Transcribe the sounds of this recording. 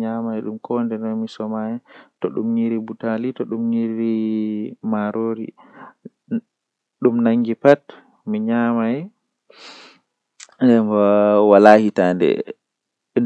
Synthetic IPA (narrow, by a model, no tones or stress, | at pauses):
ɲamaɛɗumkʰɔndɛnɔmisɔmajɛtɔɗṵmɲiɾibutalitɔɗumɲiɾi | maɾʔoɾḭ | ɗumnaŋɡipat | miɲamajɛ | ndɛawalaːhitandɛ̰